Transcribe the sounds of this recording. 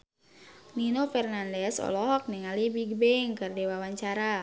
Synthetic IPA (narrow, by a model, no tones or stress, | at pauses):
ninofɛrnandɛsɔ̰lɔɦɔk̚niŋalibiɡbɛŋkɨrdewawaɲt͡ʃaɾa